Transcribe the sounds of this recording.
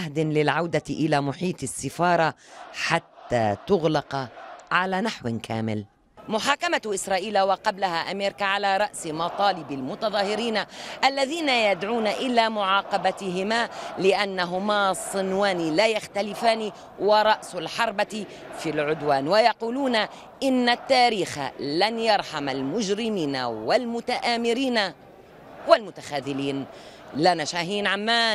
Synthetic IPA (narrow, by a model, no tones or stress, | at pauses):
hd̪ɪnlɪlʕawd̪aʔɪlaːmʊħiːt̪ˤɪsːɪfɑːɾˤɑħat̪ːa̰ːt̪ʊɣlɑqʕalaːnaħwɪnkʰa̰ːmɪ̰l | mʊħaːkamaʔɪsɾˤɑːʔiːlawɑqɑblahaʔameːɾɪkaʕalaːɾˤɑʔsmɑt̪ˤɑːlɪbɪlmʊt̪ɑðˤɑːhɪɾiːnaʔalːaðiːnajad̪ʕuːnaʔɪlaːmʊʕɑːqɑbat̪ɪɦɪmaːlɪʔanːaɦʊmaːsˤɨnwaːnilaːjaxt̪alɪfaːni | wɑɾˤɑʔsʊlħɑɾˤba | filʕʊd̪waːnwajɑquːluːna | ʔɪnːat̪ːaːɾiːxa̰lanjɑɾˤħamalmʊd͡ʒɾɪmiːna̰walmʊt̪aʔaːmɪɾiːna | walmʊt̪axaːðɪliːn | lanaʃaːɦiːnʕamːaːn